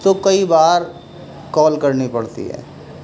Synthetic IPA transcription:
t̪okɐibaːɾ | kɔːlkɐɾnipɐɽt̪ḭɦɛ̰ː

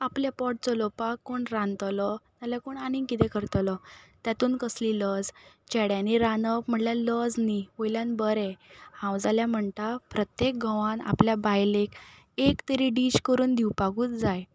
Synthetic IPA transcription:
aplapɔʈ̚t͡sɔlɔpakːoɳɾãnt̪lɔt̪alakoɳanĩŋkit̪ɛ̃kəɾt̪lɔt̪jat̪uːnkəsliləd͡zt͡ɕɛɽjãniɾanəpm̤əɳljaləd͡zniʋojljãnbəɾɛhãwd͡zaljam̤əɳt̪apɾət̪jek̚ɡʱə̃ʋãna̰pljabajlek | ekt̪əɾiɖiɕkəɾuːnd̪iwpaɡuːt͡sd͡zaj

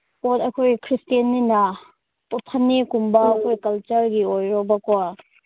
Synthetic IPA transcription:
kɔtɐkʰojkʰɾistijɐnːina | ppʰɐnːikumbaːkʰojkɐlt͡ʃɐɾɡiojɾɔbɐkɔ

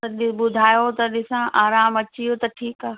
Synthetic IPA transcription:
ɐɗɪɓʊd̪ʱaːjot̪ɐɗɪsãʔaːɾaːmɐt͡ʃijot̪ɐʈʰiːkaː

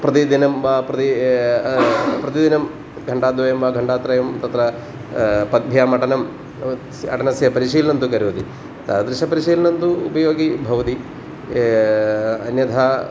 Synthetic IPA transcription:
pɾɐt̪id̪inɐmʋaːpɾɐt̪i | pɾɐt̪id̪inɐm | ɡʱɐɳɖaːd̪ʋɐjɐmʋaːɡʱɐɳɖaːt̪ɾɐjɐmt̪ɐt̪ɾɐ | pɐd̪̚bʱjaːmɐʈɐnɐm | ɐ̰ʈɐnɐsjɐpɐɾiʂiːlɐnɐnt̪ukɐɾuʋɐt̪i | t̪ɐd̪ɾiʃɐpɐɾiʃiːlɐnɐnt̪uːpɐjoːɡibʱɐʋɐt̪i | ɐnjɐd̪ʱaː

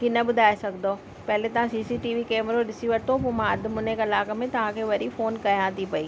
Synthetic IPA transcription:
kinɐɓʊd̪ʱaːesɐɡʱd̪o | pɐɦɪlet̪ɐʋ̤ãsiːsiʈiːʋikeːmɾoɗɪsiʋɐt̪ʰopʊmãɐd̪ʱmʊnekɐlaːkmẽt̪ɐʋ̤ãkʰeːʋɐɾifoːnkɐjãt̪ʰipɐiː

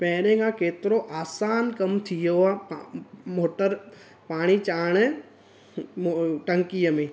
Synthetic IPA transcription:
pɛːɾẽɡãkeːt̪ɾoʔaːsaːnkɐmt̪ʰijoapmoːʈəɾ | paːɽ̃it͡ʃaːɽɛ | ʈəŋkijəmẽː

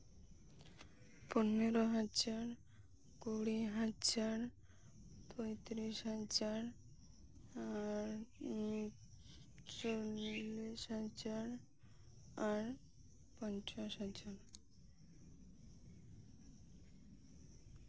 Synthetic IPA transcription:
poneɾoɦad͡ʒaɾ | kuɽiɦad͡ʒaɾ | t̪ojt̪ɾisɦad͡ʒaɾ | aɾ | t͡ʃolːisɦad͡ʒaɾ | aɾ | pɔnt͡ʃasɦad͡ʒaɾ

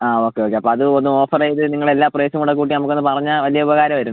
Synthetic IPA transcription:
aːo̞ːkːeo̞ːkːeɐpːoːɐðɨonːumo̞ːfɐreːjiðɨniŋːɐɭe̞lːaːprɐesɐmuɽek̬ːuːʈ̬ːinɐmukːonːɨpɐrɐɲːaʋɐlijɐubɐɣaːɾɐmʋɐɾunː

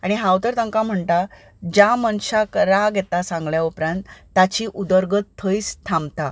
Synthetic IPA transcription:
aɽ̃iɦaut̪əɾt̪əŋkam̤əɳt̪a | d͡ʑamənɕakɾaɡjɛt̪asãŋɡɭjaupɾãnt̪ː | at͡ɕiʔud̪əɾɡət̪ʰːəjst̪ʰãmt̪a

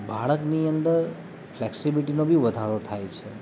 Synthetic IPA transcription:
bʱaɭəkniənd̪əɾ | fʰlɛksibiʈinobʱiʋəd̪ʱaɾot̪ʰajt͡ʃʰe

